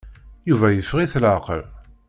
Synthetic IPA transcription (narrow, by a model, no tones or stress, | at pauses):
juvæjəfːʁiθlaqə̰l